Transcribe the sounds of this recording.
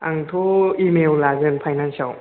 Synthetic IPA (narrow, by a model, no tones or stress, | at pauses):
aŋtʰoimewlazɯnpʰajnansaw